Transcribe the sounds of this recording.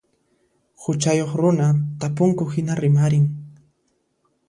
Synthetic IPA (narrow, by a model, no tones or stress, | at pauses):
hʊt͡ʃajoχɾʊnat̪apʊŋkʊhɪnaɾɪmaɾɪŋ